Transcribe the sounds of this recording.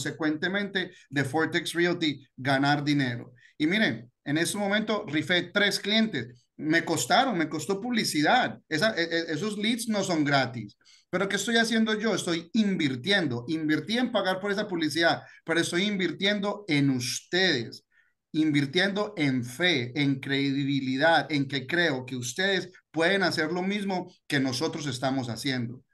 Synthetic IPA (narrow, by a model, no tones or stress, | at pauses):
se̞kwe̞nt̪e̞mẽnt̪e̞ðefoɾt̪eksrialt̪iɡanaɾðine̞ɾo̞̰ | imiɾe̞n | e̞ne̞st̪emomẽnt̪o̞rifet̪ɾe̞sklje̞nt̪e̞s | me̞ko̞st̪aɾo̞ŋme̞ko̞st̪o̞puβlisiðaðesaʔeʔes̬o̞slit̪sno̞so̞ŋɡɾat̪is | pe̞ɾo̞kest̪o̞jasje̞nd̪o̞ʝo̞est̪o̞jimbiɾt̪je̞nd̪o̞ʔimbiɾt̪iempaɣaɾpo̞ɾe̞s̬apuβlis̬iðaðpeɾoest̪o̞jimbiɾt̪je̞nd̪o̞e̞nust̪e̞ðe̞s | imbiɾt̪je̞nd̪o̞ʔeɱfe̞ːŋkɾe̞ðiðiβiliðaðe̞ŋke̞kɾe̞o̞ke̞ust̪e̞ð̞e̞spwe̞ðe̞nase̞ɾlo̞mizmo̞ke̞no̞so̞t̪ɾo̞s̬e̞st̪amo̞s̬a̰sje̞nd̪o̞